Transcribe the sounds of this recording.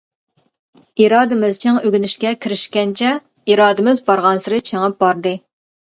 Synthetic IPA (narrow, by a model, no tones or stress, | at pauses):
iɾɑːd̪ɨmɪzt͡ʃʰiŋøɡʲynɪʃkʲɛkʲʰiɾɪʃkʲɛnt͡ʃʰɛ | iɾɑːd̪ɪmɪzbɑɾʁɑnsɨɾɨt͡ʃʰeŋɑp̚bɑɾd̪ɨ